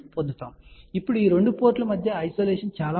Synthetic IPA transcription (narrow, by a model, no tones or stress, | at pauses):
pond̪ʱut̪aːmipːuɽuiːɾe̞ɳɖupoːɾʈlɐmɐd̪ʱjɐɐjsoːleːʂɐnt͡ʃaːlaː